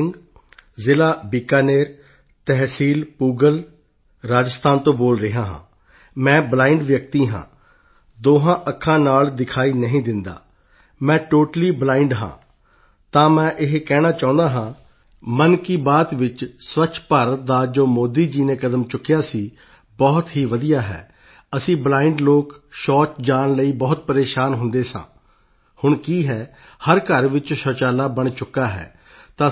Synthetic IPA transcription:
ɪŋɡ | zɪlaːbiːkaːneːɾ | t̪ɛɦsiːlpuːɡəl | ɾaːd͡ʒəst̪ʰaːnt̪õːboːlɾɪɦãːɦã̰ː | mɛ̃ːblaːɪɳɖʋjək̚t̪iːɦã̰ː | d̪oːɦãːʔəkʰːãːnaːld̪ɪkʰaːiːnəɦĩːd̪ɪnd̪a̰ː | mɛ̃ːʈoːʈəliːblaːɪɳɖɦã̰ː | t̪ãːmɛ̃ːʔɪɦkɛːɽ̃aːt͡ʃaːʊ̃nd̪aːɦãː | mənkiːbaːt̪ʋɪt͡ʃsʋət͡ʃʰpaːɾət̪̚d̪aːd͡ʒoːmoːd̪iːd͡ʒiːnẽːkəd̪əmt͡ʃʊkːɪjaːsiː | bɔːt̪ɦiːʋəd̪ijaːɦɛ̰ː | əsĩːblaːɪɳɖloːkʃɔːt͡ʃd͡ʒaːnləiːbɔːt̪̚pəɾeːʃaːnɦʊnd̪eːsã̰ː | hʊɳkiːɦɛː | həɾkəɾʋɪt͡ʃʃɔːt͡ʃaːlaːbəɳt͡ʃʊkːaːɦɛ̰ː | t̪ãː

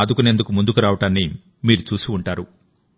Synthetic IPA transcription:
ɐd̪ukune̞nd̪ukumund̪ukuɾaːʋɐʈaːnːi | miːɾut͡ʃuːsiuɳʈaːɾu

